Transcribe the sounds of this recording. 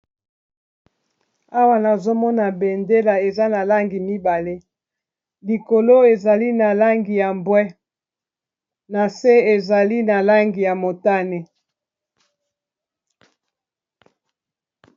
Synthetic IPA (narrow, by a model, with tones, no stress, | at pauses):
a˦wa˦na˨zo˦mɔ˦na˨be˨nde˦la˨e˨za˦na˨la˦ŋɡi˨mi˦ba˨le˦ | li˨ko˨lo˦e˨za˨li˦na˨la˦ŋɡi˨ja˨mbwɛ˦ | na˨se˦e˨za˨li˦na˨la˦ŋɡi˨ja˨mo˨ta˦ne˨